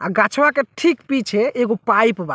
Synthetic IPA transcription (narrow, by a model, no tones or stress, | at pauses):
aɾɡat͡ʃʰwakeʈʰikpit͡ʃʰeeɡopajpba